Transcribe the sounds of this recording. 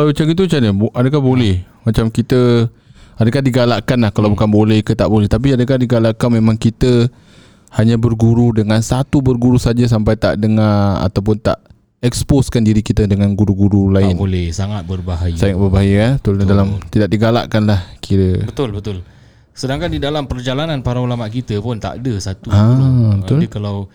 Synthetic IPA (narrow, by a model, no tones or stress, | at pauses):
kalat͡ʃaɡit̪̬ut͡ʃanəbʔadəkahbolɛhmat͡ʃamkit̪ə | adəkahdiɡalaʔkanlahkalawbukanbolɛhkət̪aʔbolɛht̪ap̬iadək̬ahdiɡalaʔkanmemãŋkit̪ə | haɲãbərɡuɾudəŋãnsat̪ubərɡuɾusad͡ʒas̬ampajt̪a̰ʔdəŋaa̰t̪awp̬ʊnt̪a̰ʔ | ɛksposkandiɾikit̪ədəŋanɡuɾuɡuɾulaɪnbolɛhsaŋat̪̚bərbaɦajisaŋat̪̚bərbaɦajəbət̪ʊldalamt̪idaʔ̚diɡala̰ʔkanlahkʰiɾəbət̪ʊlbət̪ʊl | sədaŋkandidalampərd͡ʒalananpaɾaulamaʔkit̪əpʊnt̪a̰ʔdəsat̪uabəʊkalaw